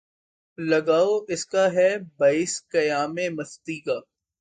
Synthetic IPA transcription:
lɐɡaːoʔɪskaɦɛbaːɪskɐjaːmẽmɐst̪iːkaː

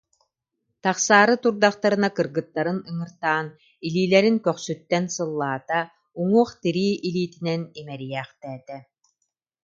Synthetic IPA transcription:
t̪aχsaːɾɯt̪uɾd̪aχt̪aɾɯnakɯɾɡɯt̪ːaɾɯnɯŋɯɾt̪aːn | iliːlɛɾinkœχsyt̪ːɛnsɯlˠːaːt̪a | uŋuɔχt̪iɾiːʔiliːt̪inɛnimɛɾijɛːχt̪ɛːt̪ɛ

